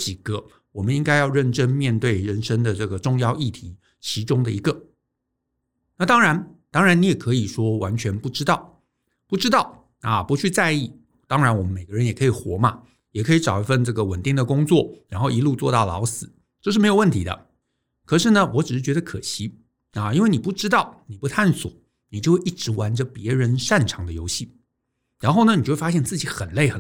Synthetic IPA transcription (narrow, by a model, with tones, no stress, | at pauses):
t͡ɕi˨˩ɡ̥ə˧˦ | wɔ˨˩mə˦ni˥ŋka˥ɪjɑ˥˧ʊɻə˥˩nʈ͡ʂə˥nmjɛ˥˧nt̪we˥˩ɪɻə˧˥nʂə˥ŋd̪ə˨ʈ͡ʂɤ˥˩ɡə˩ʈ͡ʂʊ˥˧ŋjɑ˥˧ʊi˥˩t̪ʰi˧˥ | t͡ɕʰi˧˥ʈ͡ʂʊ˥ŋd̪ə˨i˧˥ɡə˨ | na˥˩t̪ɑ˥ŋɻa˧˥nt̪ɑ˥ŋɻa˧˥ni˧˥jɛ˨˩kʰɤ˧˥i˨˩ʂwɔ˥wa˧˥nt͡ɕʰɥɛ˧˥npu˥˩ʈ͡ʂɻ̩˥t̪ɑ˥˩ʊ | pu˥˩ʈ͡ʂɻ̩˥t̪ɑ˥˩ʊ | ɐ˨pu˧˥t͡ɕʰy˥˧t͡sa˥˧ɪi˥˩ | t̪ɑ˥ŋɻa˧˥nwɔ˨˩mə˦nme˨˩ɪɡə˦˧ɻə˧˥njɛ˨˩kʰɤ˧˥i˨˩xwɔ̰˧˥ma˧ | jɛ˨˩kʰɤ˧˥i˧˥ʈ͡ʂɑ˨˩ʊi˧˥fə˥˧nʈ͡ʂɤ˥˩ɡə˩wə˨˩nt̪i˥˩ŋd̪ə˩kʊ˥ŋt͡swɔ˥˩ɻa˧˥nxo˥˩ʊi˧˥lu˥˧t͡swɔ˥˧t̪ɑ˥˩ʊlɑ̰˧˥ʊsɹ̩˨˦ | ʈ͡ʂɤ˥˧ʂɻ̩˥me˧˥ɪo˨˩ʊwə˥˩nt̪ʰi˧˥d̪ə̰˧˩ | kʰɤ˨˩ʂɻ̩˥˩nə˩wɔ˧˥ʈ͡ʂɻ̩˨˩ʂɻ̩˥˩t͡ɕɥɛ˧˥d̪ə˧kʰɤ̰˨˩ɕi˥ | ɐ˨˩i˥nwe˥˩ɪni˨˩pu˥˩ʈ͡ʂɻ̩˥t̪ɑ˥˩ʊni˨˩pu˧˥t̪ʰa˥˩nswɔ̰˨˩˦ | ni˨˩t͡ɕjxʔi˥˩ʈ͡ʂɻ̩˧˥wa˧˥nʈ͡ʂə˧pjɛ˧˥ɻə˧˥nʂa˥˩nʈ͡ʂʰɑ˧˥ŋd̪ə˧jo˥ʊɕi˥˩ | ɻa˧˥nxo˥˩ʊnə˩ni˨˩t͡ɕo˥˧wfa˥ɕjɛ˥˧nt͡sɹ̩˥˩t͡ɕi˧˥xə˨˩nle˥˩ɪxə˨˩